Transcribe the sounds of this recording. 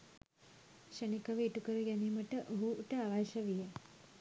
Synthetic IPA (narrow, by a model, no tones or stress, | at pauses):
ʃənikəʋəiʈukəɾəɡæniːməʈəʔoɦuʈəaʋajʃəʋijə